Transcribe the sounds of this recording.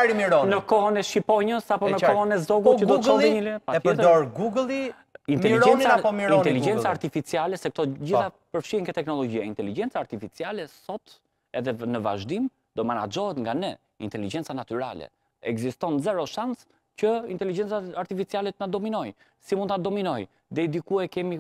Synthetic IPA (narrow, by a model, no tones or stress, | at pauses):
ɾimiɾɔnəkɔɦɔnɛʃipɔɲəsapɔnəɔɦɔnɛzɔɡut͡ʃəd̪ɔɔiɲilɛpaəɾd̪ɔɾɡuɡlˠi | int̪ɛliɾd͡ʒɛnnt͡saaɔmiint̪ɛlid͡ʒɛnt͡saːɾt̪ifit͡sialɛsɛk̚t̪ɔd͡ʑiθapəɾfʃiŋɡɛt̪ɛknɔlɔd͡ʑiaint̪ɛlid͡ʒɛnt͡saːɾt̪ifit͡sialɛsɔt̪ | ɛðɛnəva̰ʒd̪im | d̪ɔmana̰d͡ʒɔɦɛt̪ŋɡanɛ | int̪ɛlid͡ʒɛnt͡sanat̪yɾa̰lɛ̰ | ɛɡzist̪ɔnzɛɾɔʃans | cəint̪ɛlid͡ʒɛnt͡saaɾt̪ifit͡sialɛt̪nad̪ɔminɔj | simund̪t̪ad̪ɔminɔj | d̪ɛd̪ikuɛkɛmi